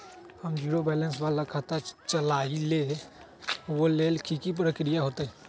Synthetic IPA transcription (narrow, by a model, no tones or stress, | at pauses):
həmd͡ʒiːɾobɛːlə̃nsbalakʰat̪at͡ʃəlaːile | woleːlkʰikip̬ɾəkɾijaɦoːt̪aɦɛ